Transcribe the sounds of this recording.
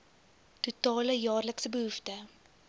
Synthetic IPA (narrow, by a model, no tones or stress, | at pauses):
tutɑːləjɑːrləksəbəɦuftə